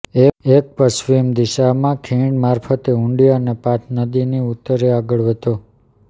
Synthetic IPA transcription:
eek̚pəsʋimd̪iʃamãkʰĩɽmaɾfʰət̪eũɳɖijoənepat̪ʰnəd̪iniut̪ːəɾeaɡəɭʋet̪o

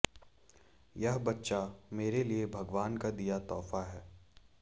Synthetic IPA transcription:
jɐɦbɐtːʃameːɾeliebʱɐɡʋaːnkad̪ijat̪ɔːfaɦɛː

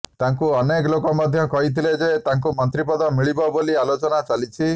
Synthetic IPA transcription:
t̪aŋkuɔneklokɔmad̪ʱjɔkɔɦit̪ʰiled͡ʒet̪aŋkumɔnt̪ɾipɔd̪ɔmiɭibɔbolialot͡ʃɔnat͡ʃalit͡ʃʰi

